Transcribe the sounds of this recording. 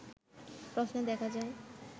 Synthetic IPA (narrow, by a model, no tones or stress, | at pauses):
pɾosnod̪ɛkʰad͡ʑae